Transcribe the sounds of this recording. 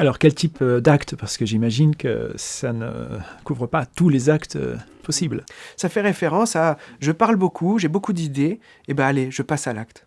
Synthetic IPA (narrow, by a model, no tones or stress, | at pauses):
alɔʁkʲɛlt̪ipd̪akt̪paʁsə̥kəʒimaʒinkə̰sanə̰kuvʁəpat̪ulezakt̪ø̰pʰɔsiblsafɛʁefeʁɑ̃saʒəpaʁlbokʰuʒebokud̪id̪e | ebaːleʒəpasalakt̪